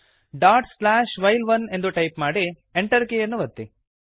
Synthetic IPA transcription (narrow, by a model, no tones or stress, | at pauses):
ɖaːɾʈslaːʃʋɐjlʋɐne̞nd̪uʈɐjpmaːɽi | eɳʈɐɾkejɐnːuʋɐt̪ːi